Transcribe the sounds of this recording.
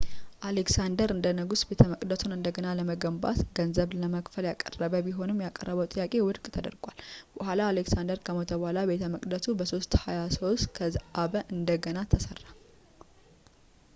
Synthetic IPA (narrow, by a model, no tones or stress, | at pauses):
ʔaleksand̪əɾɨnd̪ənəɡusbe̞t̪ʰəməkʼd̪ət̪ʰunɨnd̪əɡənaləməɡəmba̰t̪ɡənzəβləməkfəljakʼə̰rːəβəbiɦo̞nɨmjakʼə̰rːəβəwt̪ʼɨjːakʼe̞wʊd̪kʼt̪ʰəd̪ə̰ɾɡʷalbəhʷalaːleksand̪əɾkʰəmət̪ʰəβohalabe̞t̪ʰəməkʼd̪ət̪ʰubəso̞st̪hajasowskʰəʔaβəʔɨnd̪əɡənat̪ʰəsərːa